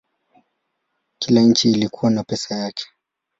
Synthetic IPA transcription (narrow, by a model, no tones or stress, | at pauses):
kilaɲ̩t͡ʃiːlikʰuwanapɛsajakʰɛ̥